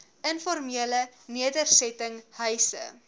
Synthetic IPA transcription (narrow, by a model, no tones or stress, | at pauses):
ənfɔrmiələ | niədərsɛtəŋhœɥsə̰